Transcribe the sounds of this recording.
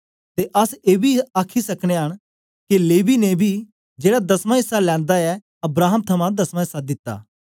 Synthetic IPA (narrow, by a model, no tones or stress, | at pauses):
t̪eʔɐseːbʱiaːkʰisɐkɽ̃eɦɐɽ̃ | kileːʋinebʱi | d͡ʒeːɽad̪ɐsmãɪsːalɛ̃ːnd̪aɛ | ɐbɾaːɦəmt̪ʰɐmãd̪ɐsmãɦɪsːad̪ɪt̪ːa̰ː